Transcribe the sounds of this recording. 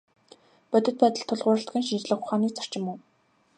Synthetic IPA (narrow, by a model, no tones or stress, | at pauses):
pœt̪ɘ̆t̪̚pæːt̪ə̆ɬt̪ʰːʊɮʁʊːɾə̆ɬt̪ɡʲĭnʃint͡ɕɮə̆χʊχaːniːkt͡sʰḁr̥t͡ɕɪ̆muː